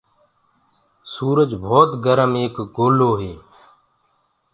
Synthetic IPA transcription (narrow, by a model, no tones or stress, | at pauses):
suːɾəd͡ʒbʱoːt̪ɡəɾəmeːkɡoːloːɦeː